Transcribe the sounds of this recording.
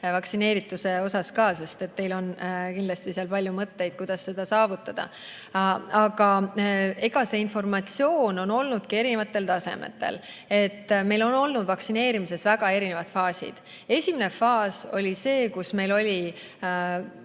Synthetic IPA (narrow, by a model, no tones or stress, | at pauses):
vɑksine̞ːɾit̪ːˑuse̞o̞sɑskɑːse̞st̪e̞t̪ːe̞jlo̞nkind̪lɑst̪iseɑlpɑlʲjumɤt̪ːe̞jd̪̥̚kujd̪̥ɑsːe̞d̪̥ɑsɑːvut̪ːˑɑd̪̥ɑ̰ | ɑɡ̥ɑ | e̞ɡ̥ɑse̞info̞rmɑt̪sio̞ːno̞no̞lnud̪̥kie̞ɾinevɑt̪ːˑe̞lt̪ɑse̞̰mḛt̪ːˑe̞̰l | e̞t̪ːme̞jlo̞no̞lnud̪vɑksine̞ːɾimise̞svæɡ̥ɑe̞ɾinevɑt̪fɑːsḭd̪̥ | e̞sʲiminefɑːso̞lʲise̞ːkusme̞jlo̞lʲi